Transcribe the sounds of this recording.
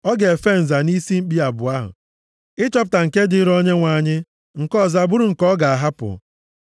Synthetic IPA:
ɔ˦ɡe˨fe˦n̩˨za˨ni˦si˦m̩˦k͡pi˦a˨bʊ˨a˦ɦʊ̰˨ | ɪ˦t͡ʃɔ˦p̬ʊ˨ta˨ŋ̩˨ke˦dɪ˦ɾɔ˦ɲe˦ŋʷa˨ɲɪ˦ | ŋ̩˨kɔ˦˨za˨bʊ˦ɾʊ˦˨ŋ̩˨kɔ˦ɡa˨a˨ɦa˦pʊ̰˨

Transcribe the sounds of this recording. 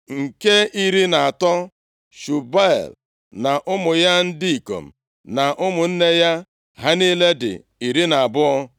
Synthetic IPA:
ŋ̩˨ke˦ʔi˦ɾi˦na˨a˨tɔ˦ | ʃu˨ba˦ḛ˨l | na˨ʔʊ˦mʊ˨ja˦n̩˦dɪ˦i˨ko̰˨m̩˨ | na˨ʔʊ˦mʊ˨n̩˦ne˦ja˦ | ɦa˦ni˦le˦dɪ̰˨ | i˨ɾi˦na˨a˨bʊ˦ɔ˦

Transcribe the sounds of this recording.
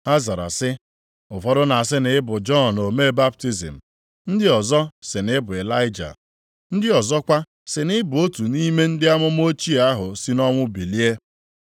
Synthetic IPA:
a˦za˨ɾa̰˨sɪ˦ | ʊ˨fɔ˦dʊ˦na˨a˨s̬ɪ˦nɪ˨ɪ˦bʊ˨d͡ʒɔ˦˨no˨me˦ba˦p̚ti˦zḭ˨m̩˨ | n̩˦dɪ˦ɔ˨zɔ˦sɪ˨nɪ˦bʊ˨e˨la˦ɪ˦d͡ʒa̰˨ | n̩˦dɪ˦ɔ˨zɔ˦kʷa˦ | sɪ˨nɪ˦bʊ˨o˦tu˨ni˦me˦n̩˦dɪ˦a˦mʊ˦m˦o˦t͡ʃi˦a˦ɦʊ˨si˦nɔ˦ŋʷʊ˦bi˨li˦e˦

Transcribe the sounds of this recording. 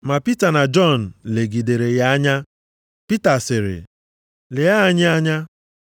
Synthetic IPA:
ma˨pi˦ta˨na˨d͡ʒɔ˦˨n̩˨le˨ɡi˨de˨ɾe˨ja˦a˦ɲa˦ | pi˦ta˨sɪ˨ɾɪ̰˨ | le˨ja˦ɲɪ˦a˦ɲa˦

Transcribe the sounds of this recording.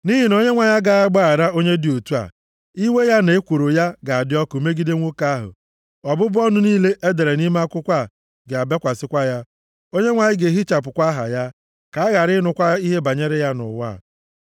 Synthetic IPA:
ni˦ɦi˨no˦ɲe˦ŋʷa˨ɲa˦ɡa˨˦a˦ɡ͡ba˦˨a˨ɾa˦o˦ɲe˦dɪ˨o˨tu˦a̰˨ | i˦we˦ja˦ne˨e˦kʷo˨ɾo˨ja˦ɡa˨a˨dɪ˦ɔ˦kʊ˨me˦ɡi˦de˦ŋʷo˦ka˦a˦ɦʊ̰˨ | ɔ˨bʊ˦bʊ˦ɔ˦nʊ˦niː˦le˦ʔe˦de˨ɾe˨ni˦ma˦a˦kʷʊ˦kʷa˦˨ | ɡe˨a˨be˦kʷa˨sɪ˦kʷa˦ja˦ | o˦ɲe˦ŋʷa˨ɲɪ˦ɡe˨ɦi˦t͡ʃa˨p̬ʊ˨kʷa˦ɦa̰˨ja˦ | ka˨a˦ɣa˨ɾɪ˦nʊ˨kʷa˦i˦ɦe˦ba˨ɲe˦ɾɪ˦ja˦nʊ̰˨wa̰˦˨

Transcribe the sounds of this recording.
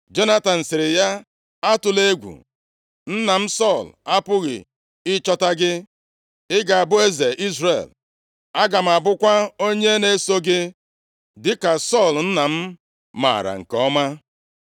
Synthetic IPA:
d͡ʒo˦na˦ta˨n̩˨sɪ˨ɾɪ˨ja˦ | a˦tʊ˨le˦ɡʷṵ˨ | n̩˦na˨m̩˦sɔ˦˨la˦pʊ˦ɣɪ̰˨ | ɪ˦t͡ʃɔ˦ta˦ɡɪ˦ | ɪ˦ɡa˨a˨bʊ˦e˦ze˨ʔi˦zrḛ˨l | a˦ɡa˨m̩˨a˨bʊ˦kʷa˦o˦ɲe˦ne˦so˦ɡɪ˦ | dɪ˦ka˨sɔ˦˨ln̩˦na˨m̩˦ | ma̰˨ɾa̰˨ŋ̩˨kɔ˦ma˦

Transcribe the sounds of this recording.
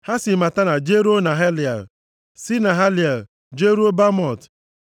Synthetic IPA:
ha˦si˨ma˨ta˦na˨d͡ʒe˦ɾo˦na˨ɦe˦li˨a̰˨l | si˦na˨ɦa˦lja˨l | d͡ʒe˦ɾu˦o˦ba˦mɔ˨t

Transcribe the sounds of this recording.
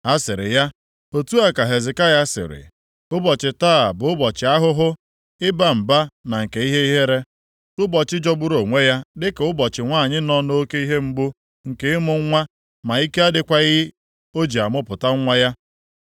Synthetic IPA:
a˦sɪ˨ɾɪ̰˨ja˦ | o˨tu˦a˦ka˨ɦe˨zɪ˨ka˦ja˦sɪ̰˨ɾɪ̰˨ | ʊ˦bɔ˨t͡ʃɪ˨taː˦˨bʊ˨ʊ˦bɔ˨t͡ʃɪ˨˦a˦ɦʊ˦ɦʊ˦ | ɪ˦ba˦m̩˨ba˦na˨ŋ̩˨ke˨i˦ɦe˦i˦ɦe˦ɾe˦ | ʊ˦bɔ˨t͡ʃɪ˦d͡ʒɔ˦ɡ͡bʊ˦ɾo˨ŋʷe˦ja˦dɪ˦ke˨ʊ˦bɔ˨t͡ʃɪ˨ŋʷaː˦˨ɲɪ˦nɔ˦no˦o˦ke˦i˦ɦe˦m̩˦ɡ͡bʊ˦ | ŋ̩˨ke˦ɪ˦mʊ˨ŋ̩˦ŋʷa˦ | ma˨i˦ke˦a˦dɪ˨kʷa˦ɪ˦ɪ˦ | o˦d͡ʒi˨a˨mʊ˦pʊ˨ta˦ŋ̩˦ŋʷa˦ja˦

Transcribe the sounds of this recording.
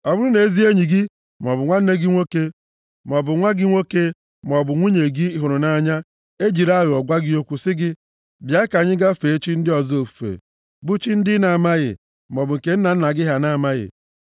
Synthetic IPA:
ɔ˨bʊ˦ɾʊ˦ne˨˦zi˦e˦ɲi˨ɡɪ˦ | m˨ɔ˨bʊ˨ŋʷa˦n̩˦ne˦ɡɪ˦ŋʷo˦ke˦ | m˨ɔ˨bʊ˨ŋʷa˦ɡɪ˦ŋʷo˦ke˦ | m˨ɔ˨bʊ˨ŋʷu˦ɲe˨ɡɪ˦ɦʊ˨ɾʊ˨na˦ɲa˦ | e˦d͡ʒi˨ɾa˦ɣɔ˨ɡʷa˦ɡɪ˦o˦kʷu˦sɪ˦ɡɪ˦ | bja˨ɪ˦ka˨ɲɪ˦ɡa˦fe˨e˦t͡ʃi˦n̩˦dɪ˦ɔ˨zo˨fu̥˨fḛ˨ | bu˦t͡ʃi˦n̩˦dɪ˦na˨ma˦ɣɪ̰˨ | m˨ɔ˨bʊ˨ŋ̩˨ke˦n̩˦na˨n̩˦na˨ɡɪ˦ɦa˨na˦˨ma˦ɣɪ̰˨

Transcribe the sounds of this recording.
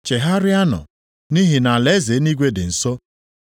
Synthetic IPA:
t͡ʃe˨ɦa˦ɾɪ˦a˦nɔ̰˨ | ni˦ɦɪ˨na˨le˨˦ze˨˦ni˦ɡʷe˦dɪ˨n̩˨so˦

